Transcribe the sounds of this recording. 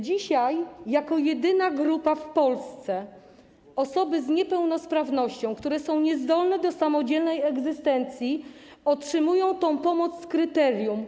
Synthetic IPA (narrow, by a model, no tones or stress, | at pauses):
d͡ʑiɕajːakɔjɛd̪ɘnaɡɾupafpɔlst̪sɛ | ɔsɔbɘzɲɛpɛwnɔspɾavnɔɕt͡ɕɔ̃w̃kt̪uɾɛsɔ̃w̃ɲɛzd̪ɔlnɛd̪ɔsamɔd͡ʑɛlnɛjɛɡzɘst̪ɛnt̪sʲjiɔtʂɘmujɔ̃w̃t̪ɔ̃w̃pɔmɔt̪sːkɾɘt̪ɛɾjum